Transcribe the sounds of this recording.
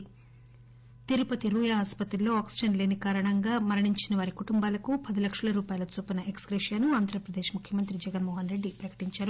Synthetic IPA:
t̪iɾupɐt̪iɾuːjaːaspɐt̪ɾilːo̞ːaːksid͡ʒɐnle̞ːnikaːɾɐɳɐŋɡaːmɐɾɐɳiɲt͡ʃinɐʋaːɾikuʈumbaːlɐkupɐd̪ilɐkʂɐlɐɾuːpaːjɐlɐt͡ʃupɐnɐʔekskɾeʃjɐnuaːnd̪ʱɾɐpɾɐd̪e̞ːʃmukʰjɐmɐnt̪ɾid͡ʒɛɡɐnmɔːɦɐnɾe̞ɖːipɾɐkɐ̥ʈiɲt͡ʃaːɾu

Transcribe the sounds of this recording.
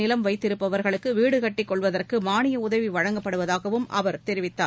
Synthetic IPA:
nɪlɐmʋɐɪt̪ːɪɾɯpːɐʋɐɾɣɐɭɯkːɯʋiːɽɯɣɐʈːɪkːɔɭʋɐðɐrkɯmaːnɪjɐʊðɐʋiʋɐɻɐŋɡɐpːɐɽɯʋɐðaːɣɐʋɯmʔɐ̰ʋɐɾt̪ɛɾɪʋɪt̪ːaː

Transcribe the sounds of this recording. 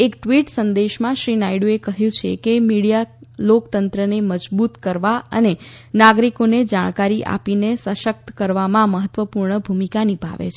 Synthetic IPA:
ekʈʋiʈsənd̪eʃmãʃɾinaiɽuekəɦjũt͡ʃʰekemiɽijalokt̪ənt̪ɾəneməd͡ʒbut̪kəɾʋaə̰ne | naɡɾikoned͡ʒaɽ̃kaɾiʔa̰pinesəʃək̚t̪kəɾʋamãməɦət̪ʋəpuɾɳəbʱumikanibʱa̰ʋḛt͡ʃʰ

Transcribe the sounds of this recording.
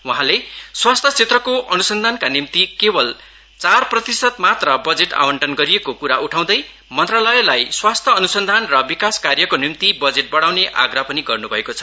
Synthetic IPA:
uɦãleswast̪ʰʌt͡sʰet̪rʌkoʔʌnusʌnd̪ʱankanimt̪ikebʌl | t͡sarprʌt̪isʌt̪mat̪rʌbʌd͡zeʈa̰wʌɳʈʌnɡʌɾiekokuɾaʔuʈʰaw̃d̪ʌj | mʌnt̪ralʌelajswast̪ʰʌːnusʌnd̪ʱanrʌbikaskarjʌkonimt̪ibʌd͡zeʈ̚bʌɽawneʔa̰ɡrapʌniɡʌrnubʱʌekot͡sʰʌ̥

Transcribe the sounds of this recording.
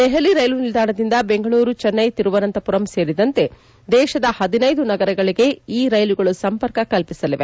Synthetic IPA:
d̪ɛɦɐliɾɐjlunild̪aːɳɐd̪ind̪ɐbe̞ŋɡɐɭuːɾut͡ʃɐnːɐjt̪iɾuʋɐnɐnt̪ɐpuɾɐmse̞ːɾid̪ɐnt̪e̞ | d̪ɛːʃɐd̪ɐhɐd̪inɐjd̪unɐɡɐɾɐɡɐɭiɡe̞iːɾɐjluɡɐɭusɐmpɐɾkɐkɐlpisɐliʋe

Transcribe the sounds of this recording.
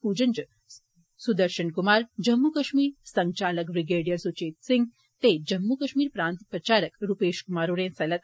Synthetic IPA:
puːd͡ʒɐnd͡ʒ | sud̪ɐɾʃɐɳkumaːɾd͡ʒɐmːukɐʃmiːɾsɐŋt͡ʃaːlɐkbɾiɡeːɖijɐɾsut͡ʃeːt̪̚siŋɡ | t̪eːd͡ʒɐmːukɐʃmiːɾpɾaːnt̪pɾɐt͡ʃaːɾəkɾupeːʃkumaːɾuːɾẽːsɐlɐt̪

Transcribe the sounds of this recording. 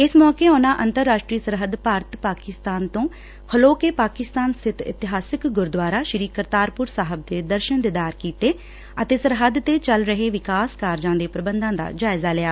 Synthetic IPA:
ɪsmɔːkeːoːnaːʔənt̪əɾːaːʃʈɾiːsəɾɦəd̪paːɾət̪paːkɪst̪aːnt̪õː | hʰəloːkeːpaːkɪst̪aːnsɪt̪ʰɪ̰t̪ɪɦaːsɪkɡʊɾd̪ʋaːɾaːʃəɾiːkəɾt̪aːɾpʊɾsaːɦəb̚d̪eːd̪əɾʃənd̪ɪd̪aːɾkiːt̪eː | ət̪eːsəɾɦəd̪t̪eːt͡ʃəlɾəɦeːʋɪkaːskaːɾd͡ʒãːd̪eːpɾəbənd̪ãːd̪a̰ːd͡ʒaːɪzaːlɪjaː

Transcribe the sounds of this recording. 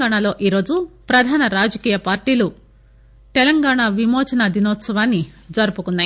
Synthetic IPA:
aːɳalo̞ːʔiːɾo̞ːd͡ʒupɾɐd̪ʱaːnɐɾaːd͡ʒɐkiːjɐpaːɾʈiːlu | t̪ɛlɐŋɡaːɳaʋimɔːt͡ʃɐnɐd̪ʱinɔːt̪sɐʋaːnːid͡ʒɐɾupukunːaːji

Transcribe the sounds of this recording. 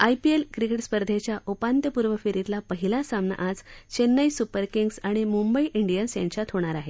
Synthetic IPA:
ajpielkɾikeʈspəɾd̪ʱet͡ɕjaʔupant̪jəpuɾʋəfiɾit̪lapəɦilasamna̰ʔad͡zt͡ɕenːəjsupəɾkiŋɡsaɽ̃imumbəiʔiɳɖijənsja̰ɲt͡ɕat̪hɦoɽ̃aɾaɦe

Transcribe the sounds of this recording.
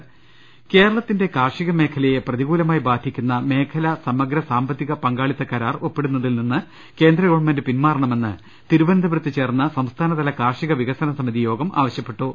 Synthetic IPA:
ke̞ːɾɐɭɐt̪ːinde̞kaːrʂiɣɐme̞ːkʰɐlɐjeprɐðiɣuːlɐmaːjibaːd̪ʱikʲːunːɐme̞ːkʰɐlɐsɐmɐɡɾɐsaːmbɐt̪ːiɣɐpɐŋɡaːɭit̪ːɐkɐɾaːro̞pːeɽunːɐðilninːɨ | ke̞ːnd̪rɐɡɐʋɐɳmɐndɨpinmaːrɐɳɐme̞nːɨ | t̪iɾubɐnd̪ʱɐbɾɐt̪ːɨt͡ɕe̞ːrnːɐsɐmst̪ʰaːnɐt̪ɐlɐkaːrʂiɣɐʋiɣɐsɐnɐsɐmiðijo̞ːɡɐmʔa̰ːʋɐɕjɐpːe̞ʈːu

